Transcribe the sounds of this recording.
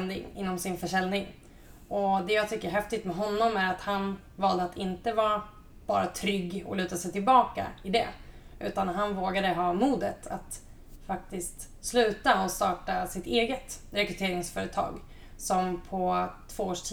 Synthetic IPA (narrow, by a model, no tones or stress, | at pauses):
nd̪ɪ̰ŋɪ̰nːɔmsɪnfœʂɛlnɪŋ | ʔɔd̪ɛjɑːɡt̪ʰʏkːəɾɦɛft̪ɪt̪mɛɦɔnːɔmæɾat̪han | vɑːld̪əat̪ʰɪnt̪əvɑːɾa | b̥ɑːɾat̪ʰɾʏɡːɔ̰lʉ̟ːt̪asɛjt̪ɪlbɑːka̰ɪd̪ɛ̰ʔʉ̟̰ːt̪anɦanvoːɡad̪əɦɑːmuːd̪ət̪ʰa̰t̪ | fak̚t̪ɪst̪ | slʉ̟ːt̪aɔst̪ɑːʈasɪt̪eːɡət̪ɾɛkɾɵt̪ʰeːɾɪŋsfœːɾət̪ʰɑ̰ːɡ | sɔmpʰɔt̪ʰvoːoːʂʈʰː